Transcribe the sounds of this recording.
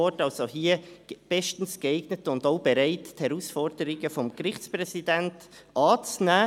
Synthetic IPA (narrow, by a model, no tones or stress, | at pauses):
ɔtɑlsohiːəb̥ɛʃtn̩sɡ̥ɛɪɡ̥nətʊndoʊb̥ɛɾæɪtthɛɾusfɔɾd̥əɾɪɡəfɔmkrɪχt͡sprɛsid̥ænt | ʔɑːt͡snæː